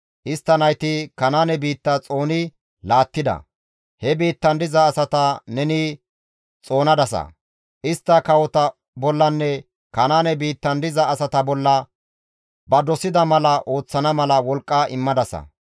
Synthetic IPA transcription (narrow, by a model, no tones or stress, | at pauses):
ʔɪst̪ːɐnɐjt̪ɪkɐnaːnɛbiːt̪ːɐt͡sʼo̞ːnɪ | laːt̪ːɪd̪ɐ̰ | hɛbiːt̪ːɐnd̪ɪzɐːsɐt̪ɐnɛni | t͡sʼo̞ːnɐd̪ɐsɐ̰ | ʔɪst̪ːɐkɐwɔt̪ɐ | bɔlːɐnːɛ | kɐnaːnɛbiːt̪ːɐnd̪ɪzɐːsɐt̪ɐbɔlːɐ | bɐd̪ɔsɪd̪ɐmɐlɐʔo̞ːt͡sːɐnɐmɐlɐwɔlkʼːɐʔɪmːɐd̪ɐsɐ̰